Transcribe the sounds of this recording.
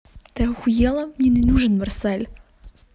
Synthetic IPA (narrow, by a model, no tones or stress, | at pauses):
t̪ɛʊxʊjɛlˠɐmnʲinɛnuʐɨnmɐrsɛlʲ